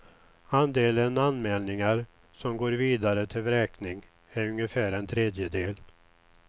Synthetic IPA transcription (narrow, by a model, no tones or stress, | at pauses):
and̪eːlənanmɛːlnɪŋaɾ | sɔmɡoːɾviːd̪aɾət̪ʰɪlɾɛːknɪŋ | æɾɵŋjəfæːɾɛnt̪ʰɾeːd̪jəd̪eːl